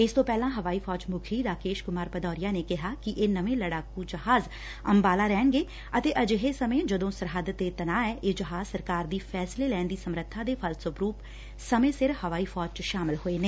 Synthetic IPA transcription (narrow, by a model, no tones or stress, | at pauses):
ɪst̪õːpɛːlãːɦəʋaːiːpʰɔːd͡ʒmʊkʰiːd̪aːkeːʃkʊmaːɾpəd̪ɔːɾɪjaːneːkɪɦaːkɪʔeːnəʋẽːləɽaːkuːd͡ʒəɦaːz | ə̰mbaːlaːɾɛːnɡeː | ət̪eːʔəd͡ʒɦeːsəmẽːd͡ʒəd̪õːsəɾɦəd̪t̪eːt̪ənaːɛːʔeːd͡ʒəɦaːzsəɾkaːɾd̪iːpʰɛːsleːlɛːnd̪iːsəmɾət̪ʰːaːd̪eːpʰəlsʊpɾuːp | səmẽːsɪɾhəʋaːiːpʰɔːd͡ʒt͡ʃʃaːmɪlɦoːeːneː